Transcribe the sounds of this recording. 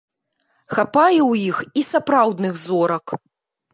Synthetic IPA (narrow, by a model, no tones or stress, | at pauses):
xapajɛwjixisapɾawd̪nɨɣzɔɾɐk